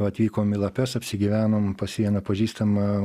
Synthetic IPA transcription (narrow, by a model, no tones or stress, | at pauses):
ɐt̪ʲʋʲiːkoːmɪlˠɐpʲɛsɐpʲsʲɪɡʲiʋʲæːnoːmpɐsʲiɛnɐpɐʒʲiːst̪ɐmɐ